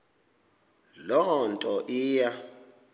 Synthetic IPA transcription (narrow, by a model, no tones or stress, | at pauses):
lɔhɔntʼɔʔiːja